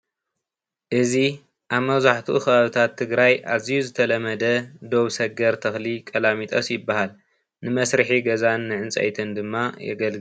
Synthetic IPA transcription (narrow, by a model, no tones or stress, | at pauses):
ʔɨzi | ʔaβmɐβzaħt̪ʰuʔɨxβaβɨt̪ʰat̪ʰːɨɡɾajʔazijuzɨt̪ʰɐlɐmɐd̪ɐd̪o̞βsɐɡɐɾt̪ʰɐxlikʼɐlamit̪ʼɐsjɪbːahal | nɨmɐsɾɨħiɡɐzanːɨʕɨnt͡sʼɐ̰jt̪ʰɨnd̪ɨmːajɛ̰ɡɐlɡ